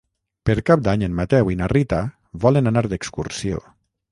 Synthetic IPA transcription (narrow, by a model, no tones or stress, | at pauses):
pəɾkap̚d̪aɲənmat̪ɛwinarit̪a | βɔlənanaɾd̪əkskuɾsio̰